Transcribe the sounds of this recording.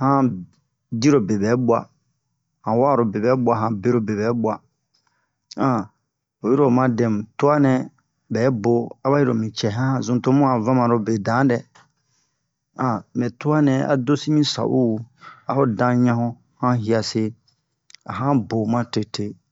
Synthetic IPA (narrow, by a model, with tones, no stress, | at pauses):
hã˦ | di˦ɾo˨be˨bɛ˨˦bwa̰˨ | hã˨wa˦˨ɾo˨be˨bɛ˨˦bwa˨ɦã˨be˦ɾo˨be˨bɛ˨˦bwa˨ | ã˨ | o˨ji˦ɾo˨mã˦dɛ̃˨mũ˨tu˦a˦nɛ̃˨ | bɛ˨˦bo˨a˦ba˦ji˦ɾo̰˨mĩ˨t͡ʃɛ˨ɦã˦˨zũ˨to˦mũ˦a˨vã˦mã˨ɾo˨be˨dã˨˦dɛ˨ | ã˨mɛ̃˨tu˦a˦nɛ̃˨a̰˨do˦si˦mĩ˦sa̰˨ʔu˦˨a˦ho˦dã˧˦ɲã˦ɦũ˦ | hã˦ɦi˨a˨se˦ | a̰˨ɦã˦bo˨mã˦te˨te˦